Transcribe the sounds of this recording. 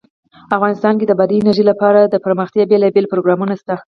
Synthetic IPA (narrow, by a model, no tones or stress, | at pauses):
afɣɑnɪst̪ɑnked̪əbad̪iːnaɾʒilapɑɾad̪əpəɾməxt̪jɑbelɑbelpɾoɡɾɑmunast̪a